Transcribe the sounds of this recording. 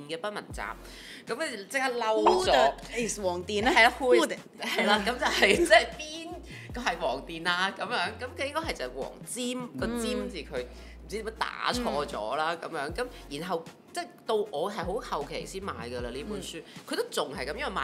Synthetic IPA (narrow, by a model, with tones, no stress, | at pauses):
nkɛː˧pɐ˥t̚mɐ̰˨˩nt͡sa̰ː˨p̚ | kɐ˨˥m˨˧t͡sɪ˥k̚haː˥lɐ˥wwswɔː˨˩ŋt̪iː˨˩n˥ɐ˨jla˧˥huː˧˥ | hɐ˨˩jlaː˧kɐ˨˥mt͡sɐ˨whɐ˨jt͡sɛː˥piː˥n | kɔ˧ɦɐ˨jwɔː˨˩ŋt̪iː˨naː˧kɐ˨˧˥mjœː˨˥ŋkɐ˨˥mkʰɵ˨˧jɪ˥ŋkɔ˥hɐ˨jt͡sɐ˨˩wɔ̰ː˨˩ŋt͡siː˥mkɔː˧t͡siː˥mt͡siː˨˩kʰɵ˨˧ɥ | mm̩˨˩t͡si˨˥t̪ːm˥t̪a̰ː˨˥t͡ʃʰɔː˧t͡sɔ̰ː˨˥laː˥kɐ̰˨˥mjœː˨˥ŋkɐ˨˦mjiː˨˩nɦɐ˨w | t͡sɛ˥˩jt̪o˧wʔɔː˨˧ɦɐ˨˩jɦo˨˥whɐ˨wkʰḛ˨˩jsiː˥nma̰ː˨˧jɡə˧laː˧liː˥puː˨˥nsyː˥kʰɵ˨˧t̪o˥wt͡sʊ˨ŋɦɐ˨jkɐ˨˧mjɐ˥wɐ˨˩maː˨